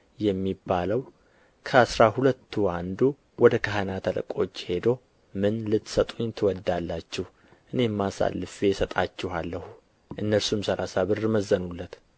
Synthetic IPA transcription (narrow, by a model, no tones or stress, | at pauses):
jɛmːibːaləw | kʰəasɾahulət̪ːuand̪u | wɔd̪əkʰaɦanat̪ʰələ̰kʼo̞t͡ʃːhe̞d̪o | mɨnlɨt̪ːsət̪ʼuɲt̪ʰɨwɔd̪alːat͡ʃːɪh | ʔɨne̞mːasa̰lːɨfejɛsət̪ʼat͡ʃːɪhalːəhu | ʔɨnːəɾsumsəlasaβɨrɨməzːənulːət̪